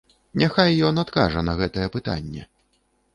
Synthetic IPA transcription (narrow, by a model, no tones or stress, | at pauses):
nʲʔaxajːɔnat̪ka̰ʐɐnɐɣɛt̪ɐjɛpɨt̪a̰nʲːɛ̰